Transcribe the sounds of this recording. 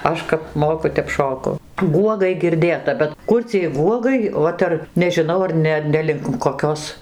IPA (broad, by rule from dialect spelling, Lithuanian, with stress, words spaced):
ˈɐʃ kɐp ˈmoːkʊ ˈtʲɛp ˈʃoːkʊ ˈɡuɔɡɐɪ ɡʲɪrʲˈdʲeːtɐ bʲɛt ˈkʊr t͡sʲiɛj ˈɡuɔɡɐɪ ˈoːt ɐr nʲɛʒʲɪˈnɐʊ ɐr ˈnʲɛ ˈnʲɛ lʲɪŋk koːˈkʲoːs